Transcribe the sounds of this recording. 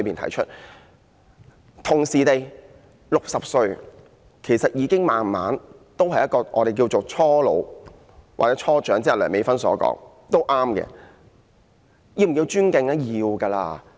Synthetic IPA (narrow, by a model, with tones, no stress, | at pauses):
ɥpiː˨nt̪ʰɐ̰˨˩jt͡ʃʰɵ˥t̚ | t̪ʰʊ˨˩ŋsiː˨˩t̪e˨j | lʊ˨k̚sɐ˨p̚sɵ˧ɥ | kʰe˨˩jsɐ˨t̚jiː˧kɪ˥ŋmaː˨nma̰ː˨˥nt̪o˥whɐ˨˩jɐ˥tkːɔː˧ʔɔ̰ː˧ɾe˨˩jk̬iː˧wt͡so˨˩wt͡ʃʰɔː˥lo̰˨˧w | wa̰ː˨t͡sɛː˨˥t͡ʃʰɔː˥t͡ʃœː˨˥ŋt͡siː˥ɐ˨˩lœː˨˩ŋme˨˧jfɐ˥nsɔ̰ː˨˥kɔ̰ː˨˥ŋ | t̪o˥wʔaː˥mkɛ̰ː˧ | jiː˧m˨˩kiː˧t͡ʃyː˥nkɪ˧ŋɐ˥jiː˨˧wkɐː˧la̰ː˧